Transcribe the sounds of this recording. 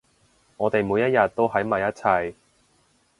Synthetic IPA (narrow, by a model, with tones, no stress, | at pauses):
ŋɔː˨˧t̪e˨jmuː˨˧jɐ˥t̚jɐ˨t̚t̪ːo˥wɦɐ˨˥jmɐ˨jɐ˥t̚t͡sʰɐ˧j